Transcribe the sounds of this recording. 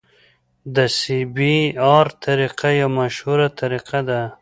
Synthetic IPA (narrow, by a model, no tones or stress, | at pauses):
d̪əsibiɑɾt̪ʰaɾiqajamaʃhuɾat̪ʰaɾiqad̪a